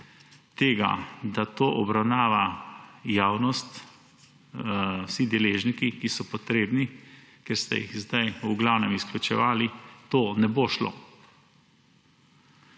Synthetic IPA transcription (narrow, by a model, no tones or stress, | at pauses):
t̪eːɡa̰d̪at̪oːʔɔbɾawnaːʋajaːwnɔst̪ | wsid̪ɛleːʒnikikisɔpɔt̪ɾeːbni | kɛɾst̪ɛ̰jḭɣzd̪ajuɡlawnɛmisklʲut͡ʃɛ̰ʋaːlit̪oːnɛboːʃlo̰ː